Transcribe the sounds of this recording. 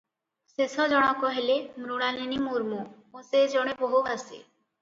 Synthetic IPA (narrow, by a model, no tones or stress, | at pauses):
sesɔd͡ʒɔɽ̃ɔkɔɦelemɾuɽ̃alinimuɾmu | õsed͡ʒɔɽ̃ebɔɦubasḭ